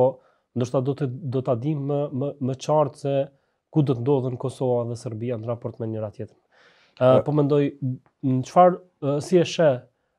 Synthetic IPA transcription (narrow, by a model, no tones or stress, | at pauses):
ɔ | nd̪əɾʃt̪ad̪ɔt̪d̪ɔt̪ad̪iməəmət͡ʃaɾt̪sɛ | kud̪ɔt̪ənd̪ɔðənkɔsɔvaɛðɛsəɾbianɾapɔɾt̪mɛnəɾat̪jɛt̪ɾ | pɔmɛnd̪ɔj | nət͡ʃəfaɾ | siɛʃɛ